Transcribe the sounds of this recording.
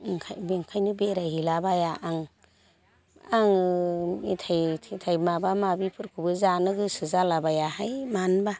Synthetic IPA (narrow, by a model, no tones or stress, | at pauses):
ŋkʰajbeŋkʰajnɯbeɾaɦilabajaʔaŋ | aŋ | itʰajtʰitʰajmabamabipʰɯɾkʰubɯzanɯɡɯsɯzalabajahajmanba